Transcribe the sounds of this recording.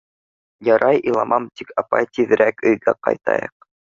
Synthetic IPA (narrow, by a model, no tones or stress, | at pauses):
jɑɾʔɑjʔilˠɑmʔɑmt̪ikɑpɑjt̪iðɘ̆ɾækɵ̆jɡæqɑ̰jt̪ɑ̰jɤ̰q̚